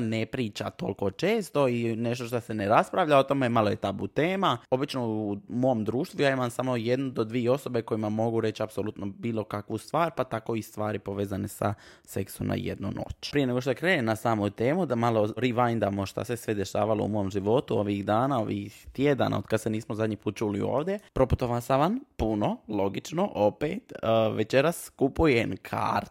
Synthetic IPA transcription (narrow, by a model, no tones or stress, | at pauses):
nepɾiːt͡ʃa̰t̪o̞̰lko̞t͡ʃeːst̪o̞ine̞ʃ̬t̪o̞ʃt̪ase̞neɾaspɾaʋʎaot̪omjemaloje̞t̪abṵt̪eːmao̞bit͡ʃnoumoomd̪ɾuːʃt̪ʋujaimamsaːmo̞je̞d̪nud̪o̞d̪ʋieo̞so̞be̞ko̞jimamo̞ɡuɾe̞t͡ɕapsolˠut̪nobiːlˠo̞kakʋust̪ʋaːɾpat̪ako̞ist̪ʋaːɾipo̞ʋeːzanesa̰ | se̞kso̰mna̰jḛd̪nṵno̰t͡ɕpɾije̞ne̞ɡo̞ʃt̪oekɾeːnenasaːmot̪eːmud̪amaloɾiʋajnd̪amoʃt̪a̰sesʋed̪e̞ʃa̰ːʋalo̞̰ṵmo̞jomʒiʋo̞t̪uo̞ʋixd̪aːnao̞ʋixxt̪jed̪a̰nʔa̰od̪kad̪seniːsmozad̪ɲipuːt̪̚t͡ʃulḭo̞̰ːʋd̪jepɾo̞pu̥t̪oʋasaʋanpuno̞lo̞ɡit͡ʃno̞ʔo̞peːt̪əʋet͡ʃe̞ɾaskupujenkʰa̰ːɾt̪